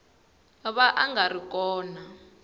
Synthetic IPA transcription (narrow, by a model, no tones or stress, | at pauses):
βaʔaŋɡarik̬ʼɔːna